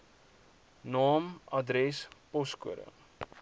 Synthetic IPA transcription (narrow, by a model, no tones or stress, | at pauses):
nɑːmɐdɾɛspɔskuəɾə̰